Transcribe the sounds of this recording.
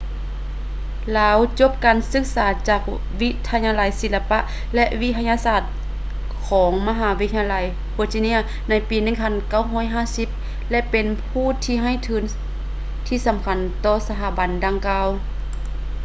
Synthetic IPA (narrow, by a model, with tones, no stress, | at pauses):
laː˨˧˦wt͡ɕo˧˥p̚kaː˨nsɯ˧˥k̚saː˩˦t͡ɕaː˧˩k̚ | ʋi˧˥t̪ʰːa˧ɲaː˧la˨˦jsi˧˩la˧pa˧ʔ | lɛ˧ʔʋi˧˥t̪ʰa˧ɲaː˧saː˧˩t̪̚ | kʰɔː˩˦ŋma˧ɦaː˩˦ʋi˦˥t̪ʰa˧a˧la˨˦j | bo˧t͡ɕi˧ni˧˥ɐ | na˧˥jpiː˨˦nɯ˧˩ŋpʰa˧˥˨nka˧˩˨wɦɔː˧˥˩jɦaː˧˥˨si˧˥p̚ | lɛ˧˥ʔpe˨npʰuː˧˥˩t̪ʰiː˧ɦa˧˥˨jt̪ʰɯː˨˩˦n | t̪ʰiː˧˨sa˨˦mkʰa˧˦nt̪ɔː˧˩sa˧tʰa˧˩ba˨˦ndaː˧ŋkaː˧w